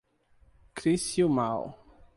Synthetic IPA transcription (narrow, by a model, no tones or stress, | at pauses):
kɾisjumaw